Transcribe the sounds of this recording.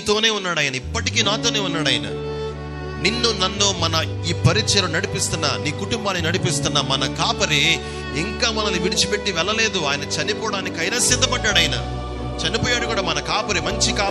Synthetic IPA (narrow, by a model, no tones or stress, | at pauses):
t̪o̞ːne̞ːunːaːɽɐːjɐnɐipːɐʈik̬iːnaːt̪oːneːunːaːɽɐːjinɐ̰ | ninːunɐnːoːmɐnɐ | iːpɐɾit͡ʃt͡ʃɐlɐunɐɽipist̪unːa̰ːniːkuʈumbaːnːinɐɽipist̪unːaːmɐnɐkaːpɐɾe | iŋkaːmɐnɐniʋiɽit͡ʃipe̞ʈːiʋɛlːɐle̞ːd̪uaːjɐnɐt͡ʃɐnipɔːɽaːnikʲːɐjnɐːsid̪ʱːɐpɐɖːaːɽɐjinɐ̰ | t͡ʃɐnipoːjaːɽukuːɽaːmɐnɐkaːpɐɾimɐɲt͡ʃikaː